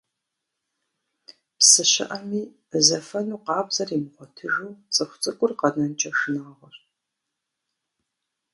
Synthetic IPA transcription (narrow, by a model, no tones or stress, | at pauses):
psɨɕɪ̰ʔɐmiː | zɐfɐnuːqɑːbzɐrimɨʁʷɔtʰɨʒuːt͡sʼɨxʷt͡sʼɨkʷʼʊrqɐnɐnt͡ʃʼɐʂɨnaːʁʷɔr